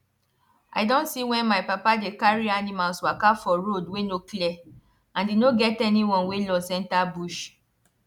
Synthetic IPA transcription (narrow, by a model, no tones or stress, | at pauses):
a̰ɪdõntsiwɛ̃nmajpapadekaɹianĩmalswakafɔɾodwenoklɛ | ãndenoɡɛtɛnĩwɔ̃nwelɔsɛ̃ntabuʃ